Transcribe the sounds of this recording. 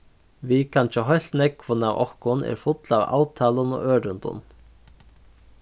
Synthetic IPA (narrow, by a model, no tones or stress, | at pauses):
vikʰant͡ʃəɦœjl̥t̪nɛkvʊnawʔɔ̰hkʊnɛ̰ɾfʊt̪lava̰ːwt̪ʰaːlənɔ̰ʔøːɾʏnt̪ʊ̰n